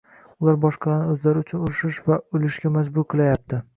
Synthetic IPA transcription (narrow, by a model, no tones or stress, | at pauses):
ʊlaɾbɒʃqɑlanɪɵzlaɾɪʊt͡ʃʰʊnʊɾɪʃɪʃvaʊlɪʃɡʲamad͡ʒbʊɾqʰɨlˠajap̚t̪ʰɪ